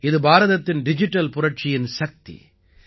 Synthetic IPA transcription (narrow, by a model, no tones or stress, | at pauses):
ɪðɯbaːɾɐðɐt̪ːɪnɖɪd͡ʒɪʈːɐlpʊɾɐʈ̚t͡ʃɪjɪnsɐk̚t̪ḭ